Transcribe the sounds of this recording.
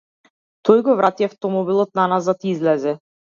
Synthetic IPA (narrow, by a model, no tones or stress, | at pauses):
t̪ɔjɡɔvɾat̪ijaft̪ɔmɔbilˠɔt̪̚nanazat̪izlɛzɛ